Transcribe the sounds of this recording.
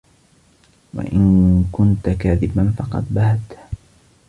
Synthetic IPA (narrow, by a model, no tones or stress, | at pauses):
wa̰ʔɪnkʊnt̪akaːðɪbanfɑqɑ̰d̪bahat̪